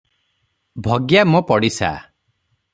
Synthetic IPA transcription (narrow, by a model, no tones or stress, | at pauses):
bʱɔɡjamɔpɔɽisa̰